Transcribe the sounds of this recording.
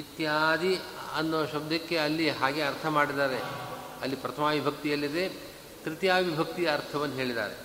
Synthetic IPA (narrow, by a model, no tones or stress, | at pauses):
it̪jad̪iɐnːoːʃɐb̚d̪ʱɐkːe̞ɐlːiɦaːɡe̞ɐɾt̪ʰɐmaːɽid̪aːɾe | ɐlːipɾɐt̪ʰɐmaːʋibʱɐk̚t̪ijɐlːid̪e̞ | kɾit̪jaːʋibʱɐk̚t̪ijɐɾt̪ʰɐʋɐnːɐɦeːɭid̪a̰ːɾe̞̰